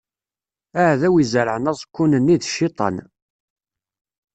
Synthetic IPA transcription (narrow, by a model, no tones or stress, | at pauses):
æʕðæwizəɾʕənæsˤkʷːunənːiðʃːit̪ˤɑ̰n